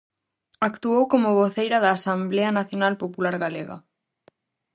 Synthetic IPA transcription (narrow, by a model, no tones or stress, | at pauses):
akt̪uowkomʊβoθejɾɐðaːsambleɐnaθjonalpopulaɾɣaleɣɐ̰